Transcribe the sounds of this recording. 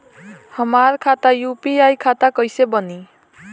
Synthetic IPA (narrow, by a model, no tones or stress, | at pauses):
hʌmarkʰat̪ajupiajkʰat̪akʌjsebʌni